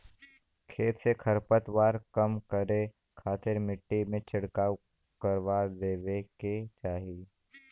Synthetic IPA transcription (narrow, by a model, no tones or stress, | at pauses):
kʰeːt̪sekʰəɾpət̪waːɾkəmkəɾe | kʰaːt̪ɪɾmɪʈːimẽt͡ʃɐɽkaːw | kəɾwaːd̪eːweket͡ʃaːɦi